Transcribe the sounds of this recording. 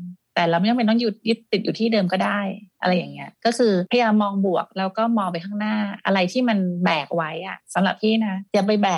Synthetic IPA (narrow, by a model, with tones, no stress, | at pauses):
t̪ɛː˨˩laː˧˩wa˧˥˨jmpa˧jnɔː˥˩ŋju˨˩t̪̚ju˦˥t̪̚ːi˨t̪̚juː˨˩t̪ʰiː˥˩dɤː˧mkɔː˥˩daː˥˩jʔa̰˧ɾa˧jːa˨˩ŋni˦˥ɐkɔː˥˩kʰɯː˧pʰa˧jaː˧mːɔː˧ŋbu˨˩ək̚lɛː˦˥wkɔː˥˩mɔː˧ŋp̬a˧jkʰaː˥˩ŋnaː˥˩ʔa̰˧ɾa˧jt̪ʰiː˥˩ma˧nbɛː˨˩k̚wa˦˥jʔa˨˩sa˨˦mɾa̰˨˩p̚tʰiː˥˩na˦˥t͡ɕa˨˩pa˧jbɛː˨˩